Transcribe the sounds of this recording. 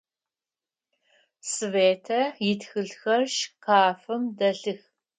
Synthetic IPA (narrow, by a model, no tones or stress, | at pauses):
sɨveːtʰɐjɪtxɨɮxɐrʃqɑːfɨmdɐɬɨx